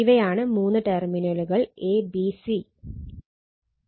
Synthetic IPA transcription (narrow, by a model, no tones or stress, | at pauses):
iʋɐjaːɳɨmuːnːɨʈerminɐluɣɐɭeːbisi